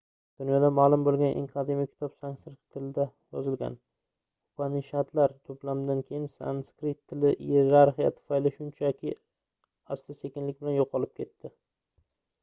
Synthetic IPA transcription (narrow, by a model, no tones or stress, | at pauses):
d̪̥ʊnjɒd̪amaːlˠʊmbolˠɡʲanʔḛŋqʰɑd̪imɪkʲʰɪ̥t̪ʰɒpsaŋsɪɾkʲt̪ʰːɪlɪd̪a | jɒzɪlɡʲa̰n | ʊ̥pʰanɪʃat̪laɾt̪ʰoplamd̪ankʲʰejɪnsa̰nskɾɪt̪ʰːɪlɪʔieɾaɾχijat̪ʰʊ̥fajlɪʃʊnt͡ʃʰakʲɪ | ast̪ʰɪse̞kʲɪnlɪk̚ʲbɪlanjoqʰɒlˠɪp̚kʲʰe̞t̪ːɪ